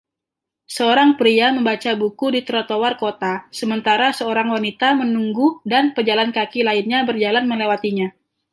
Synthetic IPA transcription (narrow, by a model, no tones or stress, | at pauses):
səoɾaŋpɾiaməmbat͡ʃabukudit̪əɾot̪owarkot̪asəmənt̪aɾasəoɾaŋwanit̪amənuŋɡudanpərd͡ʒalankakilaɪnɲabərd͡ʒalanməlewat̪iɲa